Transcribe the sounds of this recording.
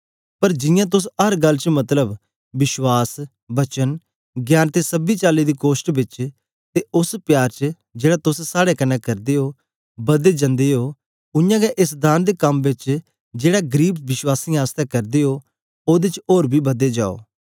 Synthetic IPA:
pəɾd͡ʒɪ̃jãːt̪̬ʊsɦəɾɡəlːt͡ʃmɐt̪ləb | ʋɪʃwaːs | bɐt͡ʃən | ɡjaːnt̪esəbiːt͡ʃaːliːd̪iːkoːsʈbɪt͡ʃ | t̪eʔʊspjaːɾt͡ʃ | d͡ʒeːɽaːt̪ʊssaːɽekənɛ̃ːkɐɾd̪eːɦoː | bɐd̪eːd͡ʒə̃nd̪eːɦoː | ʊ̃jãːɡɛʔɪs̬d̪aːnd̪ekɐmbɪt͡ʃ | d͡ʒeːɽaɡəɾiːb̚ʋɪʃwaːsiːaːst̪ɛːkɐɾd̪eːɦoː | oːd̪et͡ʃoːɾbʱiːbɐd̪eːd͡ʒa̰ːo̰ː

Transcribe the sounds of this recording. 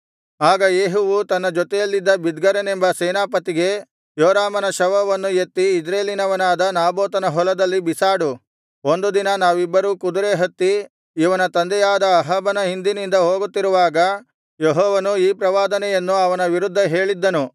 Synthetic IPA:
aːɡɐjeːɦuʋut̪ɐnːɐd͡ʒɔt̪ɛjɐlːid̪ːɐbid̪ɡɐɾenembɐseːnaːpɐt̪iɡe̞ | joːɾaːmɐnɐʃɐʋɐʋɐnːujet̪ːiːd͡ʒɾeːlinɐʋɐnaːd̪ɐnaːboːt̪ɐnɐɦɔlɐd̪ɐlːibisaːɽu | o̞nd̪ud̪inɐnaːʋibːɐɾuːkud̪uɾeːɦɐt̪ːiː | ʋɐnɐt̪ɐnd̪ɛjaːd̪ɐːɦɐbɐnɐɦind̪inind̪ɐɦoːɡut̪ːiɾuʋaːɡɐ | jeɦɔːʋɐnuiːpɾɐʋaːd̪ɐnɛjɐnːuɐʋɐnɐʋiɾud̪ʱːɐɦe̞ːɭid̪ːɐnu

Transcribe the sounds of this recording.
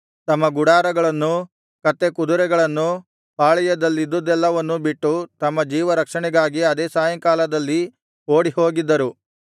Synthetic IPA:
t̪ɐmːɐɡuɽaːɾɐɡɐɭɐnːu | kɐt̪ːekud̪uɾɛɡɐɭɐnːu | paːɭɛjɐd̪ɐlːid̪ːud̪ɛlːɐʋɐnːubiʈːut̪ɐmːɐd͡ʒiːʋɐɾɐkʂɐɳɛɡaːɡiɐd̪eːsaːjɐŋkaːlɐd̪ɐlːi | oːɽiho̞ːɡid̪ːɐɾu

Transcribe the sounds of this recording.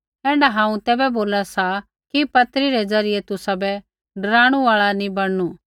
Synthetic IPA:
ɛ̃ːɖaɦãːũt̪ɛːbɛboːlasa | kipɐt̪ɾiɾɛd͡zɐɾɪjet̪ʊsabɛ | ɖɐɾaːɽ̃uaːɭanĩbɐɽnu

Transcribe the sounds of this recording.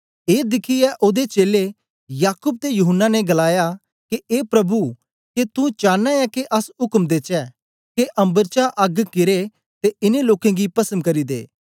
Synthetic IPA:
eːd̪ɪkʰiɛʔoːd̪et͡ʃeːle | jaːkʊb̚t̪ejʊɦənːaneɡɐlaːja | keʔeːpɾɐbu | ket̪ũt͡ʃãːnaɛkeʔɐsɦʊkmd̪et͡ʃɛ | keʔɐ̃mbəɾt͡ʃaʔɐɡkɪɾe | t̪eɪneloːkẽɡipɐsəmkɐɾid̪ḛː

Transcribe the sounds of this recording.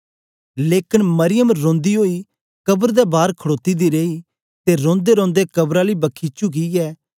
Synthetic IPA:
leːkɪnmɐɾɪjəmɾõːnd̪iɦoːi | kɐbəɾd̪ɛbaːɾkʰəɽoːt̪id̪iɾeːi | t̪eɾõːnd̪eɾõːnd̪ekɐbɾaːlibɐkʰːiːt͡ʃuk̬iɛː

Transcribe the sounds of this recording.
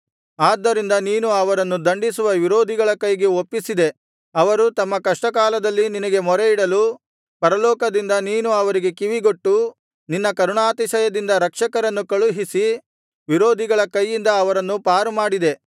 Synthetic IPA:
aːd̪ːɐɾind̪ɐniːnuɐʋɐɾɐnːud̪ɐɳɖisuʋɐʋiɾoːd̪ʱiɡɐɭɐkɐjɡe̞opːisid̪e̞ | ɐʋɐɾut̪ɐmːɐkɐʂʈɐk̬aːlɐd̪ɐlːininɐɡe̞mɔɾe̞iɽɐlu | pɐɾɐlɔːkɐd̪ind̪ɐniːnuɐʋɐɾiɡe̞kiʋiɡo̞ʈːu | ninːɐkɐɾuɳaːt̪iʃɐjɐd̪ind̪ɐɾɐkʂɐkɐɾɐnːukɐɭuɦisi | ʋiɾoːd̪ʱiɡɐɭɐkɐjːind̪ɐːʋɐɾɐnːupaːɾumaːɽid̪e

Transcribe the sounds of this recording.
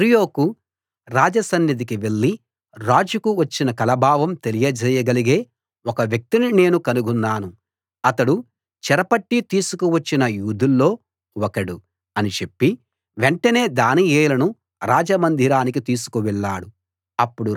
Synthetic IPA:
ɾijo̞ːku | ɾaːd͡ʒɐsɐnːid̪̬ikiʋe̞ɭːi | ɾaːd͡ʒukuʋɐt͡ʃːinɐkɐlɐbʱaːʋɐmt̪elijɐd͡ʒɛːjɐɡɐliɡe̞ː | ɔkɐʋjɐk̚t̪inine̞ːnukɐnuɡunːaːnu | ɐt̪ɐɽu | t͡ʃɛɾɐpɐʈːit̪iːsukuʋɐt͡ʃːinɐjuːd̪ulːo̞ː | wɔkɐɽu | ɐnit͡ʃe̞pːi | ʋeɳʈɐne̞ːd̪aːnieːjlɐnu | ɾaːd͡ʒɐmɐnd̪ʱiɾaːnik̬it̪iːsu̥kuʋɛɭːaːɽu | ɐpːuɽu

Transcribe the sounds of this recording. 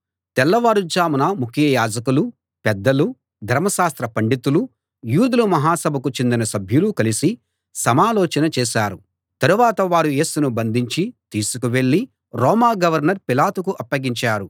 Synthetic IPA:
t̪ɛlːɐʋaːɽud͡ʒaːmunɐmukʰjɐjaːd͡ʒɐkulu | pɛd̪ːɐlu | d̪ʱɐɾmɐʃaːst̪ɾɐpɐɳɖit̪ulu | juːd̪ulumɐɦaːsɐbʱɐkut͡ʃe̞nd̪inɐsɐbʱjulukɐlisi | sɐmaːlɔːt͡ʃɐnɐt͡ʃɛːʃaːɾu | t̪ɐɾuʋaːt̪ɐʋaːɾuje̞ːsunubɐnd̪ʱiɲt͡ʃit̪iːsukuʋe̞ɭːi | ɾɔːmaːɡɐʋɐɾnɐɾpilaːt̪ukuʔɐpːɐɡiɲt͡ʃaːɾu

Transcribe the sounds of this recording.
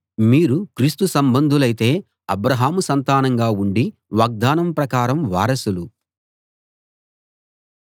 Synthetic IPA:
miːɾukɾiːst̪usɐmbɐnd̪ʱulɐjt̪e̞ː | ɐbɾɐɦaːmusɐnt̪aːnɐŋɡaːuɳɖiʋaːɡ̚d̪aːnɐmpɾɐkaːɾɐmʋaːɾɐsulu

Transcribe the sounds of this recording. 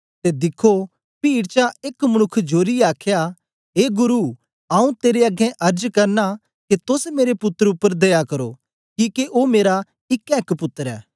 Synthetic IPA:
t̪ed̪ɪkʰːo | piːɽt͡ʃaeːkmɐɽ̃ʊkʰːd͡ʒoːɾiaːkʰja | ɦeːɡʊɾu | aːũt̪eːɾeɐɡɛ̃ʔɐɾd͡ʒkɐɾna | ket̪ʊsmeːɾepʊt̪ːəɾʊpːəɾd̪ɐjakɐɾo | kiːkeʔoːmeːɾa | ɪkːɛːkpʊt̪ːəɾɛ̰ː

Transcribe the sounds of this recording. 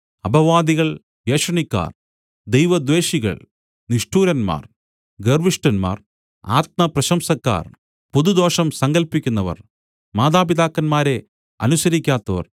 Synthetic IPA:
ɐbʱɐʋaːd̪iɣɐɭ | jeːʂɐɳikːa̰ːr | d̪ejʋɐd̪ʋe̞ːɕiɣɐ̰ɭ | niʂʈuːɾɐnma̰ːr | ɡerʋiʂʈɐnma̰ːr | a̰ːt̪̚mɐprɐɕɐmsɐkːa̰ːr | poðud̪o̞ːʂɐmsɐŋɡɐlpikʲːunːɐʋɐ̰r | maːd̪aːpiðaːkːɐnmaːɾe̞ | ɐ̰nusɐɾikʲːaːt̪ːɐʋɐ̰r

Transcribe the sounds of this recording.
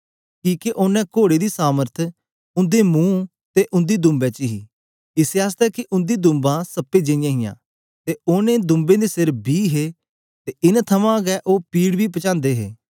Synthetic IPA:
kiːkeʔʊnɛ̃ːkoːɽeːd̪iːsaːməɾt̪ʰ | ʊ̃nd̪emũː | t̪eʔʊ̃nd̪iːd̪ʊ̃mbɛːt͡ʃɦḭː | ɪseaːs̬t̪ɛkiʔʊ̃nd̪id̪ʊ̃mbãsəpːed͡ʒəɪ̃jãɦɪjã̰ː | t̪eʊnẽd̪ʊ̃mbẽd̪esɪɾbʱiːɦeː | t̪eʔɪnt̪ʰəmãɡɛʔoːpiːɽbʱiːpət͡ʃãːnd̪eːɦḛː

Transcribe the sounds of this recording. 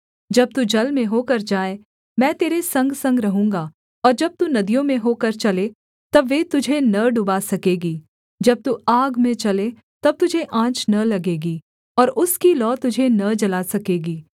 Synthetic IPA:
d͡ʒɐb̚t̪ud͡ʒɐlmẽɦoːkɐɾd͡ʒaːe | mɛ̃ːt̪eːɾesɐ̃ŋɡsɐ̃ŋɡɾɐɦũːŋɡaː | ɔːɾd͡ʒɐb̚t̪unɐd̪ijõmẽɦoːkɐɾt͡ʃɐle | t̪ɐbʋeːt̪ʊd͡ʒʱenɐɖʊbaːsɐkeːɡiː | d͡ʒɐb̚t̪uaːɡmẽt͡ʃɐle | t̪ɐb̚t̪ʊd͡ʒʱeʔãːt͡ʃnɐlɐɡeːɡiː | ɔːɾʊskilɔːt̪ʊd͡ʒʱenɐd͡ʒɐlaːsɐkeːɡiː

